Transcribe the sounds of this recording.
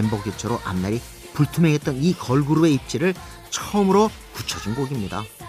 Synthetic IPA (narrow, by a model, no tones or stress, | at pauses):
embʌɡit͡ɕʰʌɾoʔa̰mnaɾi | puɭtʰumeŋɦe̞t̚t͈ʌnikʌɭɡuɾue̞ip̚t͡ɕ͈iɾɯɭ | t͡ɕʰʌmɯɾo | kut͡ɕʰʌd͡ʑunɡoɡimɲida